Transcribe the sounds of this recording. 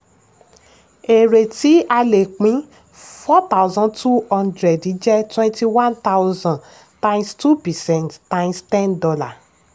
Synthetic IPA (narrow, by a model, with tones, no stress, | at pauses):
e˨ɾe˨ti˨˦a˧le˨k͡pĩ˨˦ | fɔ˦t̪a˦wzɔ̃˦ntu˦hɔ̃˧ndɾɛ˨di˨˦d͡ʒɛ˦twɛ̃˦nti˧wã˦nt̪a˦wzã˨ | tã˦j̃nstu˦pɛ˨sɛ̃˨nttã˦j̃nstɛ̃˦ndɔ˧la˨